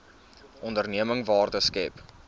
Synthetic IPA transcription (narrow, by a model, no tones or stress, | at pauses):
ʔɔndərniəməŋvɑːrdəskɛp